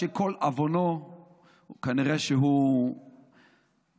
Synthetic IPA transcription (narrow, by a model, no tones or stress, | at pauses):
ekʰolavono | kaniʁeʃeɦu